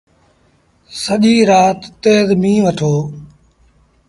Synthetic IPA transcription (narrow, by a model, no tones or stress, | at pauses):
səʄiːɾaːt̪ːeːzmĩːʋəʈʰoː